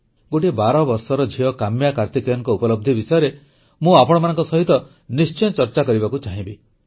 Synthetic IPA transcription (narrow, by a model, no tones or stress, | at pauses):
ɡoʈibaɾɔbɔɾsɔɾɔd͡ʒʱiɔkamjakaɾt̪ikɔjɔŋkɔupɔlɔb̚d̪ʱibisɔjɔɾe | mũapɔɽ̃ɔmanɔ̃ŋkɔsɔɦit̪ɔ | nist͡ʃɔjɔt͡ʃɔɾt͡ʃakɔɾibakut͡ʃaɦĩbi